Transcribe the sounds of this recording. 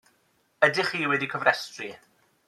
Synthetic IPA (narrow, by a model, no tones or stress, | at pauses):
ədɪχiːwɛdikʰɔvrɛstri